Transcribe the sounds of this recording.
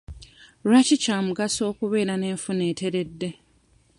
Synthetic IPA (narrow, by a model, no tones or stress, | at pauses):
ɾwacicaːmuɡaso̞ːkuβe̞ːɾane̞ːɱfune̞ːte̞ɾe̞dːe̞